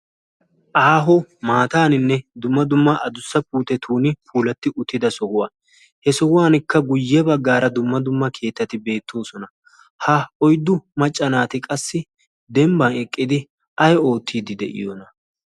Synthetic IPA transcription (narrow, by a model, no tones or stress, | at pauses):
ʔaːɦɔmaːt̪aːnɪnːɛd̪ʊmːɐd̪ʊmːɐʔɐd̪ʊsːɐpuːt̪ɛt̪ʰuːnɪpʰuːlɐt̪ːɪʔʊt̪ːɪd̪ɐsɔhʊwaː | hɛsɔhʊwaːnɪkːɐɡʊjːɛbɐɡːaːɾɐd̪ʊmːɐd̪ʊmːɐkʰe̞ːt̪ːɐt̪ɪbe̞ːt̪ʰːo̞ːsɔnɐ | hɐɔjd̪ːʊmɐt͡ʃʼːɐnaːt̪ɪkʼɐsːɪ | d̪ɛmbɐnɛkʼːɪd̪ɪ | ʔɐjo̞ːt̪ːiːd̪ɪd̪ɛ̰ʔɪ̰jonɐ